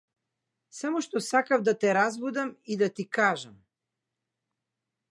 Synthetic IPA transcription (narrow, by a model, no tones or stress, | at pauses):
samɔʃt̪ɔsakavd̪at̪ɛɾazbud̪amid̪at̪ikaʒam